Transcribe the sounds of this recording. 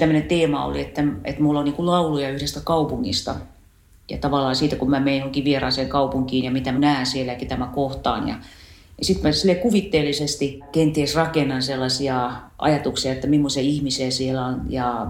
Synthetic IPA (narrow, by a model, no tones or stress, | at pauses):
t̪æmːø̆nent̪eːmɑo̰lḭet̪ːæḛt̪mulːonniːŋkullɑulujɑyhɾest̪ækɑupuŋːḭst̪ɑ̰ | jɑ̰t̪ɑʋɑlːˑɑːsiːt̪ækummæmeinjohoŋkiʋierɑːseŋkɑupuŋkiːnjɑmit̪æmænæːnsielækit̪æmækoht̪ɑ̰ːnjɑ̰ | jɑsit̪mæsilːekuʋit̪ːeːlːisest̪ikent̪iesrɑkenːɑnselːɑsiɑʔɑ̰jɑt̪uksiɑet̪ːæmimːosiɑihmisiæsielæonjɑ